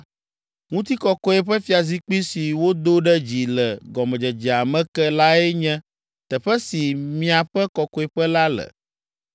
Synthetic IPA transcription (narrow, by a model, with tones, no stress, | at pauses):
ŋũ˦t̪i˦kɔ˦kɔ˦ɛ˦ɸɛ˦fi˦a˨zi˦k͡pi˦si˨wo˦d̪o˦ɖɛ˦d͡ʑi˨lɛ˨ɡɔ˨mɛ̃˨d͡ʒɛ˨d͡ʒɛ˨a˨mɛ̃˦kɛ˦la˦ɛ˦ɲɛ̃˦ | t̪ɛ˨ɸɛ˦si˨mĩ˦a˨ɸɛ˦kɔ˨kɔ˨˦e˨ɸɛ˦la˦lɛ̰˨